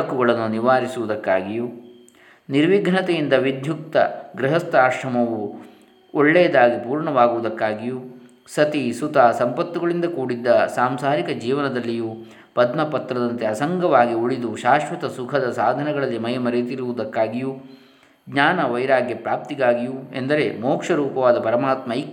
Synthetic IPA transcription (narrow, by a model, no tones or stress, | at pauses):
ɐkːuɡɐɭɐnːuniʋaːɾisuʋud̪ɐkːaːɡiju | niɾʋiɡʱɳɐt̪ejind̪ɐʋid̪ʱjuk̚t̪ɐ̰ɡɾɐɦɐst̪aːʃɾɐmɐʋu | ɔɭːɛːd̪aːɡipuːɾɳɐʋaːɡuʋud̪ɐkːaːɡiju | sɐt̪isut̪aːsɐmpɐt̪ːuɡɐɭind̪ɐkuːɽid̪ːɐsaːmsaːɾikɐd͡ʒiːʋɐnɐd̪ɐlːiju | pɐd̪mɐpɐt̪ɾɐd̪ɐnt̪eɐsɐŋɡɐʋaːɡiuɭid̪uʃaːʃʋɐt̪ɐsukʰɐd̪ɐsaːd̪ʱɐnɛɡɐɭɐlːimɐjɐmɐɾet̪iɾuʋud̪ɐkːaːɡiju | ɡɲaːnɐʋɐjɾaːɡjɐpɾaːp̚t̪iɡaːɡijue̞̰nd̪ɐɾe̞moːkʂɐɾuːpɐʋaːd̪ɐpɐɾɐmaːt̪mɐik